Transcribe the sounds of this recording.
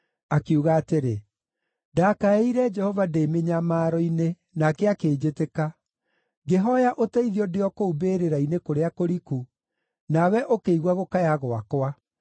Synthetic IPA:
akeuɣaːteɾe | dakaeiɾɛd͡ʒɛhɔvadeːmeɲamaːɾɔine | nakɛakeːd͡ʑeteka | ɡeɦɔjaʔotɛiðiɔdeɔkoubeɾeɾainekoɾeakoɾiku | nawɛʔokeiɣwaɣokajaɣoakwa

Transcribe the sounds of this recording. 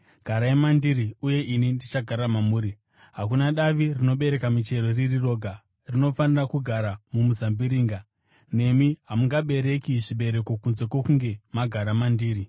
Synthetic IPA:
ɡ̥ʱaɾaemandiɾiuje̞ʔinindit͡ʃaɡʱaɾamamuːɾi | ɦakunaɗaʋirino̞ɓe̞ɾe̞kamit͡ʃe̞ɾoririro̞ːɡʱa | rino̞fanirakuɡʱaɾamumuzambiɾiːŋɡa | ne̞miɦamuŋɡaɓe̞ɾe̞kiʐiɓe̞ɾe̞ko̞kunze̞kwokuŋɡe̞maɡʱaɾamandiːɾi

